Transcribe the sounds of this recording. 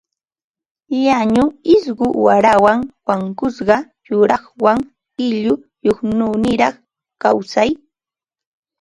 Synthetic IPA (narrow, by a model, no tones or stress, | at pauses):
jaɲʊɪsɢʊwaɾawaŋwaŋkʊsɢɑ | jʊɾɑχwaŋ | ɪʎʊ | joχnunɪɾɑχ | kawsaj